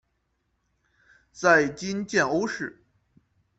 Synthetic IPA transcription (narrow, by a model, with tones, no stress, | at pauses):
t͡sa˥˩ɪt͡ɕi˥nt͡ɕjɛ˥˩no˥ʊʂɻ̩˥˩